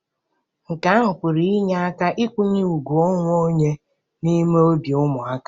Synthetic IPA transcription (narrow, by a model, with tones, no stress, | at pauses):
ŋ̩˨ka˨˦a˦ɦʊ˨pʊ˨ɾi˨i˦ɲa˦a˦ka˦ʔi˦kʷu˦ɲi˦u˨ɡu˨o˦ŋʷ˦o˦ɲe˦ | ni˦me˦o˦bjʊ˦mʊ˨a˦ka˦